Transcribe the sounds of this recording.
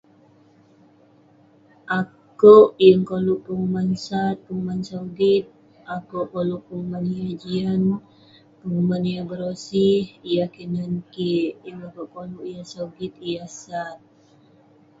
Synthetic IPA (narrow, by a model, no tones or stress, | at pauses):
ʔa | koʔjəŋkoluʔpəŋumansat̪̚pəŋumansaudit̪̚ | akoʔkoluʔpəŋumanijad͡ʒian | pəŋumanijabəɾosihijakinankiʔjəŋakoʔkoluʔijasauɡit̪ijasat̪̚